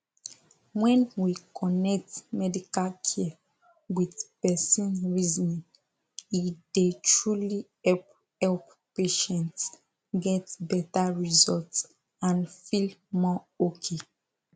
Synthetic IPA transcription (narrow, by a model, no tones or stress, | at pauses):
wɛ̃nwikʰɔnɛk̚tmɛdikalkʰi | wiðpɛsĩnɹizɔnĩn | idetɹuli | ɛp | ɛlp | peʃɛ̃nts | ɡɛtbɛtaɹizɔlts | ãnfilmɔ | okʰe